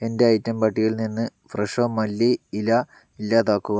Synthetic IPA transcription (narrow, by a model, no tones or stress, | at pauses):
e̞nde̞ɐjtːɐmpɐʈːijilninːɨfreʂoːmɐlːiːlɐ | ilːaːt̪aːkːuɣɐ